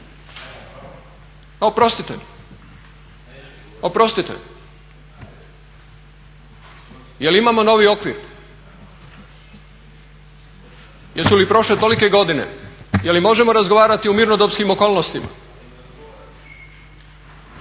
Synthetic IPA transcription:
opɾo̞st̪it̪ḛʎ | opɾo̞st̪it̪ḛʎ | jelimamo̞no̞ːʋio̞kʋḭɾ | jeɾsulipɾo̞ʃle̞t̪o̞like̞ɡo̞d̪ine̞̰jelimo̞ʒe̞mo̞ɾazɡoʋaːɾat̪iumiɾnod̪obskimoko̞ːlnost̪ima̰

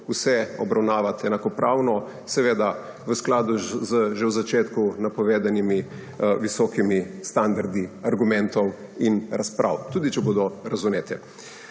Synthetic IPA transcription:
usɛɔbɾawnaːʋat̪ɛnakɔpɾaːwnɔ | sɛʋeːd̪a | ʋəsklaːd̪uzəʒɛwzat͡ʃeːt̪kunapɔʋeːd̪animi | ʋisɔkimist̪and̪aɾd̪iaɾɡumɛ̃nt̪ɔw | inɾaspɾʔa̰wt̪uːd̪it͡ʃɛboːd̪ɔɾazuneːt̪ɛ

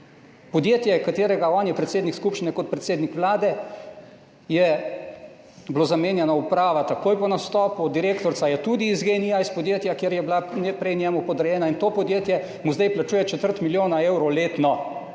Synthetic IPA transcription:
pɔd̪jeːt̪jɛkat̪eːɾɛɡaɔnjɛpɾɛt̪seːd̪nikskupʃt͡ʃinɛkɔt̪̚pɾɛt̪seːd̪nikʋlaːd̪ɛ | jɛ | bloːzameːnjɛnɔupɾaːʋat̪akoːjpɔnast̪ɔːpud̪iɾeːkt̪ɔɾtsajɛt̪uːd̪iːzɡenijaispɔd̪jeːt̪jakjeːɾjɛblaɛpɾɛjnjɛmupɔd̪əɾjɛːnaint̪oːpɔd̪jeːt̪jɛ | muzd̪ɛjplat͡ʃuːjɛt͡ʃɛt̪əɾt̪miljoːnaeːwɾɔleːt̪nɔ

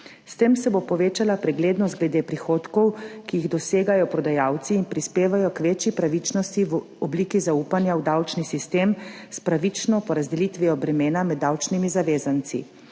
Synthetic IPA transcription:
st̪emsɛbopɔʋeːt͡ʃalapɾɛɡleːd̪nɔst̪ɡlɛd̪eːpɾixoːt̪kɔwkijiɣd̪ɔseːɡajɔpɾɔd̪ajaːwt̪siːnpɾispeːʋajɔkʋeːt͡ʃjipɾaʋit͡ʃnɔst̪iw | ɔbliːkizauːpanjawd̪awt͡ʃnisist̪eːmspɾaʋit͡ʃnɔpɔɾazd̪ɛlit̪ʋiɔbɾɛmeːnamɛd̪ːawt͡ʃnimizaʋeːzant̪sḭ

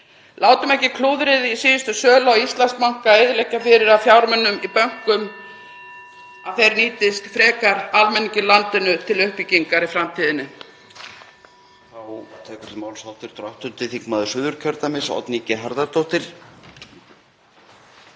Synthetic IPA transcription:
laːwt̪ʏmɛhcɪkʰluːwðɾɪðisiːðʏst̪ʏsœːlawist̪lansmawŋ̥kaeːjðlɛhcafɪɾɪɾaðfjawɾmɛnːʏmipœŋ̥kʏm | aðθejɾniːt̪ɪst̪fɾɛːkaɾalmɛnːiɲcɪlant̪ɪnʏt̪ʰɪlʏhpiciŋkaɾifɾamt̪ʰiːðɪnːɪ | θawt̪ʰɛːkʏ̥ɾ̥maːwlsawt̪ɪɾ̥t̪ɾɔht̪ʏnt̪ɪθikmaðʏsʏðʏɾ̥cʰœɾt̪amɪsɔ̰t̪nicɪɦaɾðaɾt̪owht̪ɪɾ̥

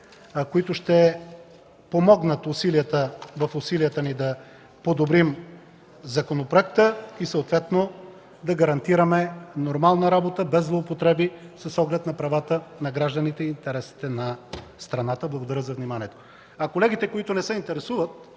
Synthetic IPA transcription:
koit̪ʊʃt̪ɛ | pomɔɡnət̪ʊsiliət̪əvɐfʊsiliət̪ənid̪ɐ | pod̪obɾim | zɐkonopɾoɛk̚t̪əisəot̪vɛt̪no | d̪ɐɡɐɾɐnt̪iɾəmɛnoɾmalˠnəɾabot̪əbɛzlˠoːpot̪ɾɛbisɐsɔɡlɛt̪nɐpɾɐvat̪ənɐɡɾaʒd̪ənit̪ɛiːnt̪ɛɾɛsi̥t̪ɛnɐst̪ɾɐnat̪əblˠɐɡod̪ɐɾʲəzɐvnimaniɛt̪o̥ | ɐkolɛɡit̪ɛkoit̪onɛsəint̪ɛɾɛsuvət̪̚

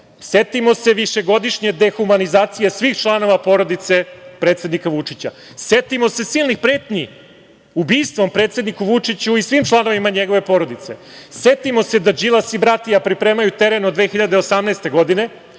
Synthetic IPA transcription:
set̪imo̞se̞ʋiʃe̞ɡo̞d̪iʂɲed̪e̞xumanizaːt̪sijesʋiːxt͡ʃlˠano̞ʋapo̞ːɾo̞d̪it̪se̞pɾet̪se̞d̪nikaʋut͡ʂit͡ɕa̰ | set̪imo̞se̞siːlˠnixpɾeːt̪ɲi | ubiːst̪ʋo̞mpɾe̞ːt̪se̞d̪nikuʋut͡ʂit͡ɕuisʋimt͡ʃlˠano̞ʋimaɲeɡo̞ʋe̞po̞ːɾo̞d̪it̪se̞̰set̪imo̞se̞d̪ad͡ʑilasibɾat̪ijapɾipɾe̞ːmajut̪e̞ɾenod̪ʋe̞xiʎad̪eosamnɛːst̪e̞ɡo̞d̪ine̞

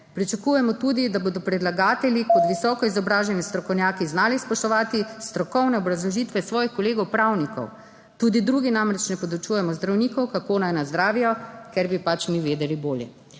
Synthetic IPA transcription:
pɾit͡ʃakuːjɛmɔt̪uːd̪id̪aboːd̪ɔpɾɛd̪laɡaːt̪ɛljikɔt̪ʋisɔːkɔizɔbɾaːʒɛnist̪ɾɔkɔwnʲjaːkiznaːlispɔʃt̪ɔʋaːt̪ist̪ɾɔkɔwnɛɔbɾazlɔʒiːt̪ʋɛsʋɔːjixkɔleːɡɔwpɾawnikɔ̰w | t̪uːd̪id̪ɾuːɡinamɾɛt͡ʃnɛpɔd̪ut͡ʃujɛmɔzd̪ɾawnikɔwkakoːnajnazd̪ɾaːʋijɔkɛɾbipat͡ʃniʋeːd̪ɛliboːljɛ̰

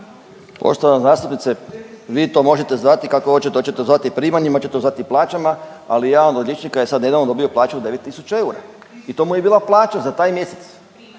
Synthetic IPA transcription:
po̰ʃt̪oʋanzaːst̪upnit̪seʋiːt̪o̞mo̞ʒe̞t̪e̞zʋat̪ikakoot͡ɕet̪ot͡ɕet̪ezʋat̪ipɾiːmaɲimat͡ɕet̪eozʋat̪iplˠaːt͡ʃama | a̰lijaːod̪od̪lʎet͡ʃnikajesad̪ne̞d̪aʋnod̪o̞bijoplˠaːt͡ʃuod̪e̞ʋe̞t̪ːisu̥t͡ɕae̞uɾa̰ | it̪o̞ːmujebiːlaplˠaːt͡ʃazat̪aːjmje̞set̪s

